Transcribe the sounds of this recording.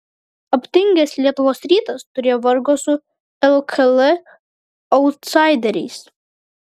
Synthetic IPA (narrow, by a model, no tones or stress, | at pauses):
ɐpʲt̪ʲɪŋʲɡʲɛslʲiɛt̪ʊʋoːsɾʲiːt̪ɐst̪ʊɾʲeːjɔʋɐɾɡɔːsʊ | ɛlˠkʰɐlɨ | ɔʊt̪sɑɪd̪ʲɛɾʲɛɪs